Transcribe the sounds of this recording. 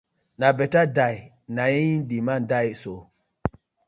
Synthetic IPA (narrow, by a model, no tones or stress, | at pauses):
nabetadaj | najindimandajso